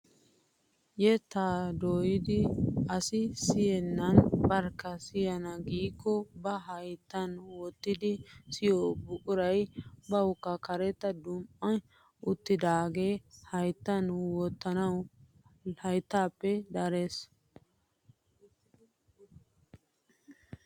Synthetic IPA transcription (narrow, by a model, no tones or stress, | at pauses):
jɛt̪aːd̪oːjɪd̪ɪɐsɪsɪjɛnːɐnbɐɾkːɐsɪjɐnɐɡiːkːɔbɐɦɐjt̪ːɐnwɔt̪ːɪd̪ɪsɪjobʊkʼʊɾɐjbɐwʊkːɐkɐɾɛt̪ːɐd̪ʊmpːɐn | ʊt̪ːɪd̪aːɡe̞ːhɐjt̪ːɐnwɔt̪ːɐnɐw | hɐjt̪ːaːpːɛd̪ɐɾeːs